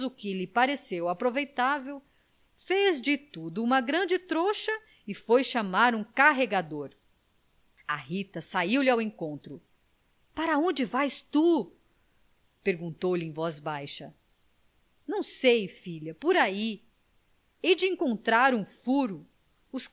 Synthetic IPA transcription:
zʊkɪlɪpaɾesewapɾovejt̪avew | fezd͡ʒɪt̪ud̪ʊũmɐɡɾɐ̃d͡ʒɪt̪ɾoʃɐ | ɪfojʃamaɾũkaɦeɡad̪oɾ | aɦit̪ɐsaiwlɪawẽŋkõnt̪ɾʊ | paɾɐõd͡ʒɪvajst̪u | peɾɡũnt̪owlɪẽj̃vɔzbajʃɐ | nɐ̃w̃sejfiʎɐpoɾai | ed͡ʒɪẽŋkõnt̪ɾaɾũfuɾʊ | ʊs

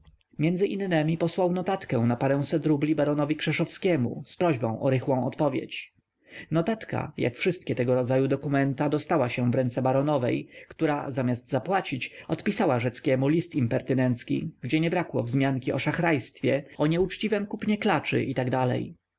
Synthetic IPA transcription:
mʲjɛnd̪zɘʔinːɛmʲipɔswawnɔt̪at̪kɛ̃w̃napaɾɛ̃w̃sɛt̪ɾublʲibaɾɔnɔvʲikʂɛʂɔfskʲɛmṵspɾɔʑbɔ̃w̃ʔɔɾɘxwɔ̃w̃ɔt̪pɔvʲjɛ̰t͡ɕ | nɔt̪at̪ka̰ja̰kfʂɘst̪̚kʲɛt̪ɛɡɔɾɔd̪zajud̪ɔkumɛnt̪ad̪ɔst̪awaɕɛvɾɛnt̪sɛbaɾɔnɔvɛjkt̪uɾa̰zamʲjazd̪zapwat͡ɕit͡ɕɔt̪pʲisawaʐɛt̪skʲɛmulʲist̪impɛɾt̪ɘnɛnt̪skʲḭɡd͡ʑɛɲɛbɾakwɔ̰vzmʲjaŋkʲiɔʂaxɾajst̪fʲjɛɔɲɛut͡ʂt͡ɕivɛmkupɲɛklat͡ʂɘ̰ʔit̪aɡd̪alɛ̰j

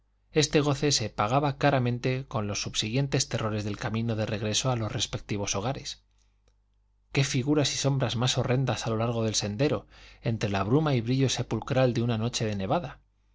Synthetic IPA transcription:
e̞st̪e̞ɣ̞o̞θe̞se̞paɣ̞aβakaɾamẽ̞nt̪e̞ko̞nlo̞sːuβsiɣ̞je̞nt̪e̞st̪e̞rʔo̞ɾe̞zðe̞lkamĩno̞ðe̞re̞ɣɾe̞so̞alosre̞spe̞k̚t̪iβ̞o̞so̞ɣ̞aɾe̞s | ke̞fiɣ̞uɾasiso̞mbɾazmaso̞re̞nd̪asalo̞laɾɣ̞o̞ðe̞lse̞nd̪e̞ɾo̞e̞nt̪ɾe̞laβ̞ɾumaiβɾiʎo̞se̞pulkɾald̪eunano̞t͡ʃe̞ðene̞βaða

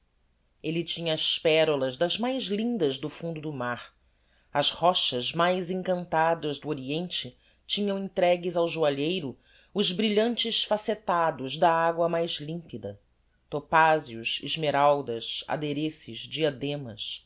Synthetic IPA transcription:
elit͡ʃĩɲɐːʃpɛɾolɐzd̪ɐzmajzlĩnd̪ɐzd̪ʊfũnd̪ʊd̪ʊmaɾ | ɐzhɔʃɐzmajzẽŋkɐ̃nt̪ad̪ɐzd̪ʊoɾiẽnt͡ʃɪ | t͡ʃĩɲɐ̃w̃ẽnt̪ɾɛɡɪzawʒuaʎejɾʊ | ʊʒbɾiʎɐ̃nt͡ʃɪʃfaset̪ad̪ʊzd̪ɐaɡwɐmajzlĩmpid̪ɐ | t̪opaziʊʃḭʒmeɾawd̪ɐʃa̰d̪eɾesɪzd͡ʒiad̪ẽmɐs

